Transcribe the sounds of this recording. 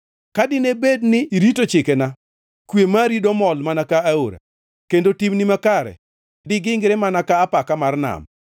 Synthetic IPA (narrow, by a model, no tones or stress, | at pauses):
kadɪnebednɪɾitot͡ʃɪkena | kwemaɾidɔmɔlmanakaːoɾa̰ | kendotimnimakaɾɛ̰ | dɪɡɪŋɡɾɛmanakaːpakamarna̰m